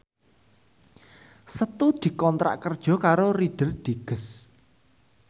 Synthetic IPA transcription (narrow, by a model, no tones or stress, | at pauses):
sət̪ud̪̥i̤kɔnt̪ɾa̰ʔkərd̥ʒ̥ɔ̤kaɾoriɖ̥ə̤rd̪̥i̤ɡ̥ə̤s